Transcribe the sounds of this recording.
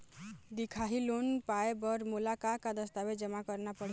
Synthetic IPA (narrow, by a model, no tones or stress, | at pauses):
d̪ikʰaɦilonpaebəɾmulakakad̪əst̪abed͡ʒəmakəɾnapəɽ